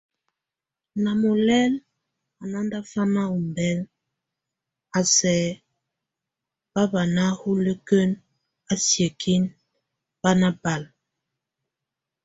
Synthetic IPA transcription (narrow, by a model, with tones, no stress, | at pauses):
na˨mo˨lɛ˦l | a˨na˦n˦da˦fa˦ma˦u˨mbɛ˦l | a˨sɛ˨˦ | b̥a˦ba˨na˦hu˦lə˦kə˦n | a˦sje˨kʰi˦n | ba˦na˦ba˨l